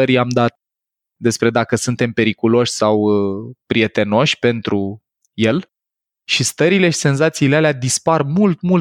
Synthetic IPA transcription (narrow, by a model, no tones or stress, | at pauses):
əɾiamd̪at̪̚ | d̪e̞spɾe̞d̪akəsunt̪e̞mpe̞ɾikulo̞ʃʲsawpɾie̞t̪e̞no̞ʃʲpe̞nt̪ɾu | je̞l | ʃist̪əɾile̞ʃi̥se̞nzat̪siːlealead̪isparmult̪mul